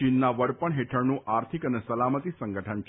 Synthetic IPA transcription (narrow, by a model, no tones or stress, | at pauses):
inːaʋəɾpəɳɦeʈʰəɾnũʔaɾt̪ʰikənesəlamət̪isə̃ŋɡəʈʰənt͡ʃʰ